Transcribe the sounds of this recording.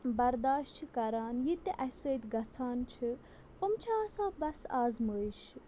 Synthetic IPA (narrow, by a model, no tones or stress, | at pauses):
bɐɾd̪aːʃt͡ʃʰikɐɾaːnjit̪iʔɐsəːt̪ʲɡɐt͡sʰaːnt͡ʃʰi | pəmt͡ʃʰaːsãːbɐsaːzməʃ